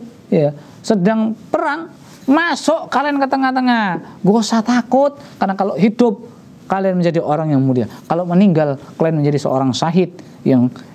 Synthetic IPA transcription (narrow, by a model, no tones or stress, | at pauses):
ja | sədaŋpəɾaŋ | masɔʔkaliankət̪əŋaht̪əŋahɡosat̪akʊt̪̚karnakaloʔɦidʊp̚ | kalianməɲd͡ʒadiʔoɾaŋjaŋmuliakaloʔməniŋɡalkəliɛnməɲd͡ʒadisə̰o̰ɾaŋsaɦɪt̪̚ | jaŋ